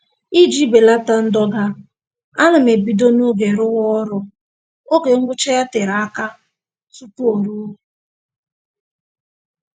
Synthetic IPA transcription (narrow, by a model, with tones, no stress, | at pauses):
i˦d͡ʒi˦be˨la˦ta˦n̩˦dɔ˦ɡa˦ | a˦nʊ˨me˨bi˨do˦no˦ɡe˨ɾʊ˦ɣɔ˦ɾʊ˦ | o˦ke˨ŋ̩˦ɡʷʊ˦t͡ʃe˦ja˦tɪ˨ɾa˨a˦ka˦ | tu˦tu˦o˨ɾu˦